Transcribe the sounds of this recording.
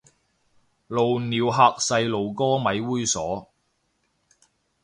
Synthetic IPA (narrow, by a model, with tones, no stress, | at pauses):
lo˨˩wniː˨wɦaː˨˧k̚sɐ˧jlo˨wkɔː˥mɐ˨˥jwuː˥jsɔː˨˥